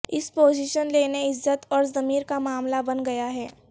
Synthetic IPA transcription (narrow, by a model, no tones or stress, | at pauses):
ɪspoːziːʃənleːneɪzːət̪ɔːɾzɐmiːɾkamaːmlabɐnɡɐjaɦɛː